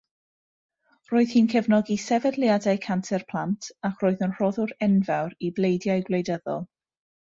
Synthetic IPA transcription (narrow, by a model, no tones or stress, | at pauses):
roːɨð̥hinkʰɛvnɔɡisɛvɛdlˠjadajkʰantʰɛrpʰl̥ˠantʰakʰroːɨðənr̥ɔðʊɾɛnvawɾiblejdjajɡlejdəðɔ̰lˠ